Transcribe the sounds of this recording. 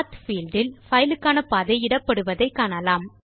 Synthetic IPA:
t̪fiːlɖɪlfɐjɪlɯkːaːnɐpaːðɐɪɪɽɐpːɐɽɯʋɐðɐɪkːaːnɐlaːm

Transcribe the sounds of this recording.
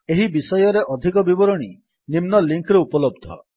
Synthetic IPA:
eɦibisɔjɔɾeʔɔd̪ʱikɔbibɔɾɔɽ̃i | nimnɔliŋkɾeupɔlɔb̚d̪ʱɔ̰

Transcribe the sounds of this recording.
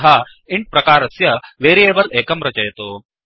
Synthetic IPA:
ɦa | iɳʈ̚pɾɐkaːɾɐsjɐʋeːɾijeːbɐleːkɐmɾɐt͡ʃɐjɐt̪oː

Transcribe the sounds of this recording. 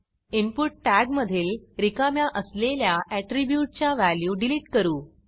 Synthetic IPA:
inpuʈːæɡməd̪ʱiːlɾikamjaʔəsleljaʔæʈɾibjuʈ̚t͡ɕjaʋæljuːɖiliʈkəɾuː

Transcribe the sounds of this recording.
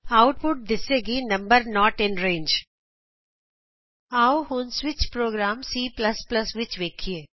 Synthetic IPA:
aʊʈ̚pʊʈ̚d̪ɪseɡinɐ̃mbəɾnɔːʈɪ̃nɾẽːnd͡ʒ | aːʊhũnsʋɪt͡ʃpɾoːɡɾãːmsiːplɐsplɐsʋɪt͡ʃʋeːkʰieː

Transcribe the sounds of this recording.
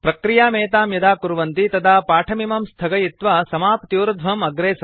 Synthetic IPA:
pɾɐkɾijaːmɛːt̪aːmjɐd̪aːkuɾʋɐnt̪it̪ɐd̪aːpaːʈʰɐmimɐmst̪ʰɐɡɐjit̪ʋasɐmaːpt̪iːɾɐd̪ʱʋɐmɐɡɾeːs

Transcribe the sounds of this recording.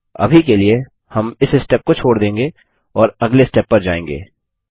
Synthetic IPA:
ɐ̰bʱikelie | hɐmɪsɪsʈɛːp̚kot͡ʃʰoːɽd̪ẽːŋɡeː | ɔːɾɐɡlesʈɛpːɐɾd͡ʒa̰ːẽːŋɡḛː

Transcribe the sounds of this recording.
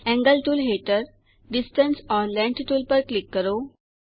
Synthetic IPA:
ɛ̃ŋɡəlʈ̪uːlɦeʈəɾ | ɖisʈənsɔɾlɛ̃ɳʈt̪uːlpəɾklikːəɾo

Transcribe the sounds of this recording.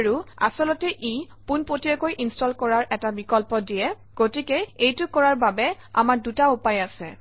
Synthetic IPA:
ɹua̰sɔlɔtɛʔi | punpotiɔkojʔinstɔlkɔɹaɹʔɛtabikɔlpɔdijɛ | ɡ̥otikɛejtʊkɔɹaɹbabɛ | a̰maɹdutaupajasɛ

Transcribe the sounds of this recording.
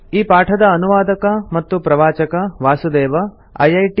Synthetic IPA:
iːpaːʈʰɐd̪ɐːnuʋaːd̪ɐkɐmɐt̪ːupɾɐʋaːt͡ʃɐkɐʋaːsud̪eːʋɐ | ɐjɐjʈ

